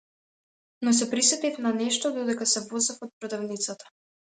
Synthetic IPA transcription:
nɔs̬ɛpɾisɛt̪ifnanɛʃt̪ɔd̪ɔd̪ɛkasɛvɔzɛfɔt̪̚pɾɔd̪avnit̪sat̪ḁ

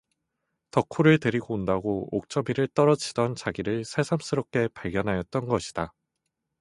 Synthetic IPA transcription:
tʌkʰuɾɯɭteɾiɡondaɡook̚t͡ɕ͈ʌmiɾɯɭt͈ʌɾʌd͡ʑidʌnt͡ɕaɡiɾɯɭsʰe̞sʰams͈ʰɯɾʌp̚k͈e̞paɭɡjʌnɦajʌt̚t͈ʌnɡʌɕʰi̥d̥a

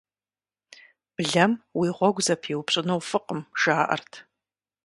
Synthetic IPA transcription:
b̥ɮɐmwiʁʷɔɡʷzɐpʰiwpɕʼɨnɐwfɨqəmʒaːʔɐ̰rtʰ

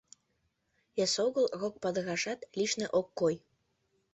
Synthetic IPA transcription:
jɑsoɣəlrok̚pɑd̪ɤ̆ɣɑʃɑt̪liʃnĕʔokːoj

